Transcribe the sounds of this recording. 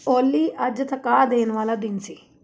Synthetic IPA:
olːiʔɐd͡ʒɐt̪ʰɐkaːd̪eːnʋɐlɐd̪insi

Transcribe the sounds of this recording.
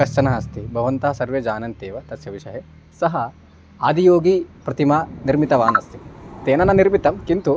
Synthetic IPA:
ɐʂt͡ʃɐnɐɐst̪ibʱɐʋɐnt̪ɐɦɐsɐɾʋjed͡ʒaːnɐnt̪eːʋɐt̪ɐsjɐʋiʃɐɦe | sɐɦɐ | aːd̪ijoːɡipɾɐt̪imaniɾmit̪ɐʋaːnɐst̪it̪eːnɐnɐniɾmit̪ɐmkint̪u

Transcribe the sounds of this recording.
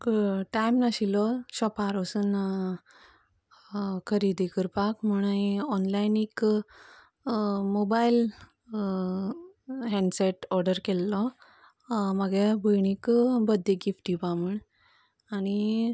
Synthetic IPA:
kʈajmnaɕilɔɕɔpaɾɔsun | kʰəɾid̪ikəɾpakmuɽ̃əɔnlajnik | mobail | ɦɛ̃ɳɖseʈɔɾɖəɾkɛlːɔ | məɡebʱəjɳ̃ikbəd̪ʱːeɡifʈipamuɳ | aɽ̃i

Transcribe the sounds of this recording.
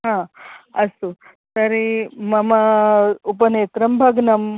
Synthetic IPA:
ɦãɐsu | t̪ɐɾemɐmaupəneːt̪ɾɐmbʱɐɡnɐm

